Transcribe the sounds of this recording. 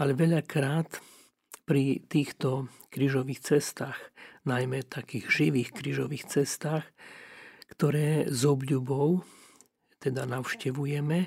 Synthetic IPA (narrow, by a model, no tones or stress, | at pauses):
alɛʋɛʎakɾaːt̪ | pɾit̪iːxt̪ɔ | kɾiːʒɔʋiːxt͡sɛst̪aːxnajmɛt̪akiːɣʒiʋiːxkɾiːʒɔʋiːxt͡sɛst̪aːx | kt̪ɔɾɛːzɔbʎubɔʊ | t̪ɛd̪anaʊʃcɛʋujɛmɛ